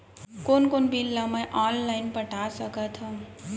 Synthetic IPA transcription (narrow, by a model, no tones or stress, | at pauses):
konkonbilːaməjʔɔnlajnpəʈʰasəkət̪ʰɔ